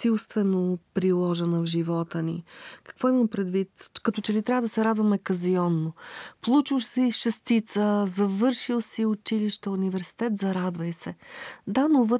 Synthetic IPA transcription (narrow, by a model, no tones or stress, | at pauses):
silˠst̪vɛnopɾilˠɔʒɛnɐvʒivɔt̪ənḭkɐ̥kvɔiməpɾɛd̪vit̪kɐt̪ɔt͡ʃɛlit̪ɾʲavəd̪ɐsɛɾad̪vɐmɛkɐziɔnːopolˠut͡ʃilsiʃəst̪it̪səzɐvɤɾʃilˠsiʊt͡ʃiliʃt̪ɛunivɛɾsi̥t̪ɛt̪zɐɾad̪vəjsɛd̪anovə